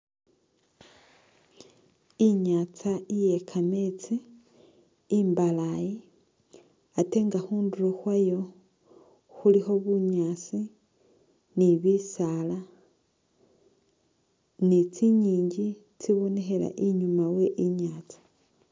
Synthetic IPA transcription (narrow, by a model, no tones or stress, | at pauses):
iɲaːt͡saije̞kʰame̞t͡si | mbalaji | ate̞ŋɡahuːnduɾoxwajo̞ | xulixo̞βuɲat͡si | niβisala | nit͡siɲiːɲɟi | t͡siβo̞ne̞xe̞la̰ʔiɲumawe̞ʔiɲaːt͡sḁ